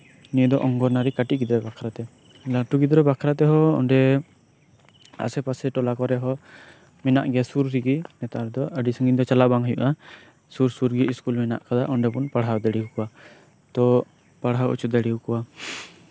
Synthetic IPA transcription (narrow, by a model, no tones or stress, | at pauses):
nid̪ɔʔɔŋɡɔɾnaɾikaʈiɡid̪ɔɾɛbakʰɾat̪ɛ | laʈuɡid̪ɾɛbakʰɾat̪ɛɦɔɔ̰ɳɖɛ | a̰sɛpasɛʈɔlakɔɾɛɦɔ | mɛna̰ʔɡɛsuɾɾiɡinɛt̪aʔaɾɛd̪ɔəɖisəŋɡiɲd̪ɔt͡ʃalabaŋɦɔjṵʔa | suɾsuɾɡiiskulmɛna̰ʔkad̪aʔɔɳɖɛpunpaɽɦawd̪ɛɽihukɔwa | t̪ɔ | paɽɦawṵt͡ʃut̪̚d̪ɛɽihukɔwa